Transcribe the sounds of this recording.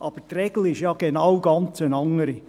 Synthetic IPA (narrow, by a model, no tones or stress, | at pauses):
ʔɑb̥ətrɛɡ̥l̩ɪʃjɑɡ̥enɑwɡ̥ɑnt͡sənɑŋːəɾi